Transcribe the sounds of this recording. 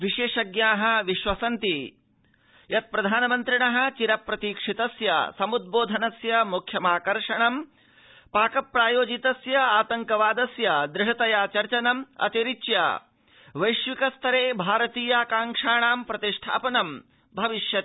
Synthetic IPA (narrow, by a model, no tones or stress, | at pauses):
ʋiʃeːʂɐɡjaːɦɐ̆ʋiʃʋɐsɐnt̪i | jɐt̪̚pɾɐd̪ʱaːnɐmɐnt̪ɾiɳɐɦɐ̆t͡ʃiɾɐpɾɐt̪iːkʂit̪ɐsjɐ̰sɐmud̪̚boːd̪ʱɐnɐsjɐmukʰjɐmaːkɐɾʂɐɳɐm | paːkɐpːɾaːjoːd͡ʒit̪ɐsjɐaːt̪ɐŋkɐʋaːd̪ɐsjɐd̪ɾɪʂɐt̪ɐjaːt͡ʃɐɾt͡ʃɐnɐmɐ̰t̪iɾit͡ʃjɐ̰ | ʋɐjʃʋikɐst̪ʰɐɾeːbʱaːɾɐt̪iːjakaːŋkʂaːɳaːmpɾɐt̪iʂʈʰa̰ːpɐnɐm | bʱɐʋiʃjɐt̪